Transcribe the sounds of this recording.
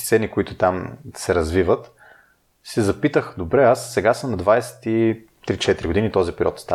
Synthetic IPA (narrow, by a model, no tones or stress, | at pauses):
t̪sɛnikʊit̪ʊt̪amsɛɾɐzvivət̪ | sɛzɐpit̪əxd̪obɾɛasːɛɡasəmnɐd̪vajsɛ̥t̪i | t̪ɾit͡ʃɛt̪ɾiɡʊd̪init̪ɔzipɛɾʲiɔt̪st̪a